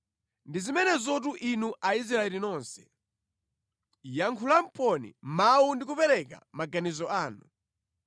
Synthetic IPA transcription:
ndizimɛnɛzɔt̬uʔinuʔais̬ɾaɛlinɔnsɛ̥ | jaŋkʰulam̩pɔnḭmaundik̬upɛɾɛka̰maɡanizɔaːnu

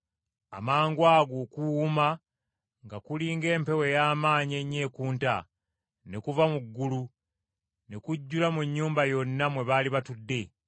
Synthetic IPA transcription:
a̰maːŋɡwaːɡoːkuːma | ŋɡakuliːŋɡe̞ːmpe̞we̞jaːmaːɲie̞ɲːe̞ːkuːnta̰ | ne̞kuvamuɡːulu | nekuɟːulamuɲːuːmbajo̞nːamwe̞βaːliβatudːe̞

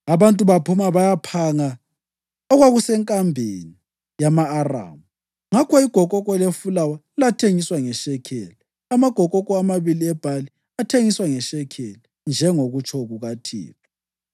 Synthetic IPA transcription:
aβantʼuβapʰumaβajapʰaŋa | ɔɣwaɣusɛŋkʼambʱeni | jamaːra̰ːmu | ŋakʰɔiɡ̥ʱɔkʼɔkʼɔlefulawa | latʰeŋiswaŋɛʃɛkʰɛlɔ | amaɡ̥ʱɔkʼɔkʼɔamaβiliɛb̥ʱali | atʰeŋiswaŋɛʃɛkʰɛlɔ | nd͡ʒʱɛŋoɣut͡ʃʰʼɔɣuɣatʰḭːβa

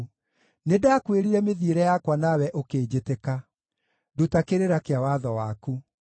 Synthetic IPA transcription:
nedakweɾiɾɛmeðieɾɛjakwanawɛʔokeːd͡ʑeteka | dutakeɾeɾakeawaðɔwaku

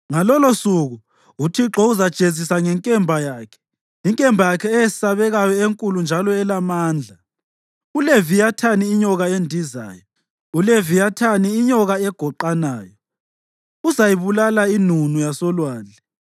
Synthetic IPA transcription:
ŋalɔlosuɣu | utʰiǁɔuzad̥ʒ̥ʱezisaŋɛŋkʼɛmbʱajaːkʰɛ̥ | iŋkʼɛmbʱajakʰɛːjesi̥saβɛɣajɔeŋkʼulund͡ʒʱalɔɛlamaːnd͡ɮʱa | ulevijatʰaniːɲɔɣaendʱiza̰ːjɔ | ulevijatʰaniːɲɔɣaɛɡ̥ʱɔǃanaːjɔ | uzajiβulalainunujasɔlwaːlʱɛ

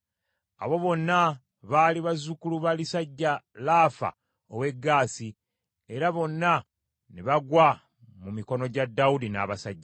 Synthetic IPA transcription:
a̰βo̞βo̞nːa | βaːliβazukuluβalisaɟːalaːfa̰ | oβwe̞ɡːaːsi | e̞ɾaβo̞nːa | neβaɡwa | mumiko̞no̞ɟadːawud̪ina̰ːβasaɟːa

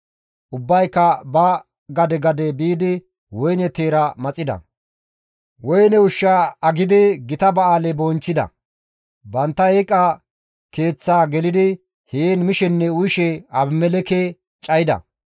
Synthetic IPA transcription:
ʔʊbːɐjkːɐbɐ | ɡɐd̪ɛɡɐd̪ɛbiːd̪ɪ | wɔjnɛt̪eːɾɐmɐt͡sʼːɪd̪ɐ̰ | wɔjnɛʊʃːaːɐɡɪd̪ɪɡɪt̪ɐbɐaːlɛbont͡ʃːɪd̪ɐ̰ | bɐnt̪ːɐeːkʼːa | ke̞ːt͡sːaːɡɛlɪd̪ɪ | heːnmɪʃɛnːɛʊjɪʃɛɐbmɛlɛke | t͡ʃʼɐjɪd̪ɐ̰

